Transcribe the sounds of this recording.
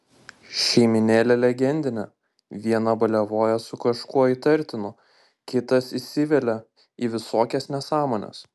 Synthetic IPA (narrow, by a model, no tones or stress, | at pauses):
ʃʲɛɪmʲɪnʲeːlʲɛlʲɛɡʲɛnʲd̪ʲɪnʲɛ | ʋʲiɛnɐbɐlʲɛʋoːjɛsʊkɐʃkuɔit̪ɐɾʲt̪ʲɪnʊ | kʲɪt̪ɐsisʲɪʋʲɛlʲɛ | iːʋʲɪsoːkʲɛsnʲɛsɑːmoːnʲɛ̰s